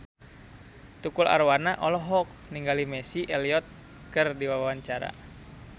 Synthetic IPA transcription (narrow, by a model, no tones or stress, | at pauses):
t̪ukula̰ɾwanaʔɔlɔɦɔk̚niŋɡalimɛsiʔɛliɔt̪̚ | kɨrdiwawawaɲt͡ʃaɾa̰